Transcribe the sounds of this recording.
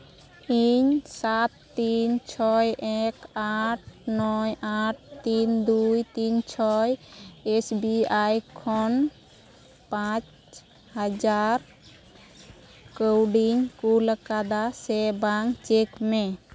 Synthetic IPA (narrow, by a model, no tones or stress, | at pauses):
iɲsat̪ːint͡ʃʰɔjɛkaʈ̚nɔjaʈ̚t̪ind̪ujt̪int͡ʃʰɔjesbiajkʰɔn | pãt͡ʃ | had͡ʒaɾ | kəwɖiɲkuləkad̪asɛbaŋt͡ʃekmɛ